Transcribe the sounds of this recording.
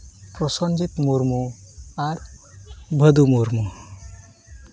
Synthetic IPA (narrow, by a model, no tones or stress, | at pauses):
pɾɔsɔnd͡ʒit̪muɾmuaɾ | bʱəd̪umuɾmu